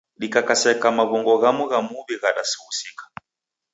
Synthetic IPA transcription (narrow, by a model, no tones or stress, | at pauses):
ɗikakasɛkamaβɔŋɡɔɣamuɣamuβiɣaɗasiwusikḁ